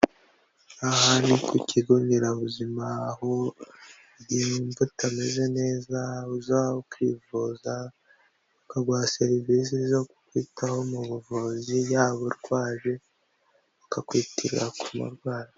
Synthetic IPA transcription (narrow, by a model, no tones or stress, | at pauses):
ahanikwiciɡoŋɡiɾaβuzimaho | ɟiɱvutame̞ze̞ne̞ːzauzaβaokwḭvuza | βakaɡwaːseɾivizizo̞ku̥kwiːtʰaho̞muβuvozijaːβoɾɡwaːʒe̞ | βakakwiːtiɾiɾakumṵɾɡwaːɾa